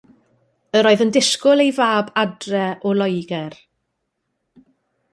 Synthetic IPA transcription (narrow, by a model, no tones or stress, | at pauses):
əɾoːɨðəndɪskʊlˠejvaːbadrɛʔɔlˠɔjɡɛr